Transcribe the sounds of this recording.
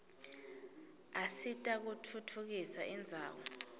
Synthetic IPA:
asitʼak̬utʰutʰuk̬isaʔɛnd͡zʱa̰ːwɔ

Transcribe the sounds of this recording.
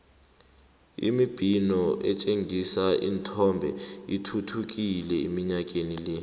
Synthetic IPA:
ḭmib̥ʱinɔʔɛt͡ʃʼeŋʱisaʔḭntʰɔmbʱɛ̰itʰutʰuk̬ʼilɛimiɲak̬ʼenilɛ

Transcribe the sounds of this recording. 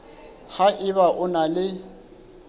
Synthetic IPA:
haʔɪβaʔʊnalɪ

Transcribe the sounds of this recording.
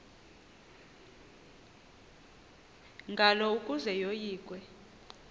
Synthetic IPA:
ŋɡʱalɔukʼuzɛjojiːkʼwɛ

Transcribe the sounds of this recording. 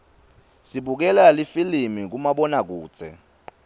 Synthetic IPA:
siɓuk̬ɛlalifilimik̬umaɓɔnak̬uːt͡sʰɛ̰

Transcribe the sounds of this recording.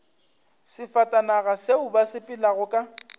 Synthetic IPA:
sɪfatʼanaɣaseʊbasɪpʼɪlaɣʊkʼa

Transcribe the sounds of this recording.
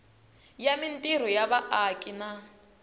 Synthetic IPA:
jamintiɾ̤ɔjaβaʔakʼina

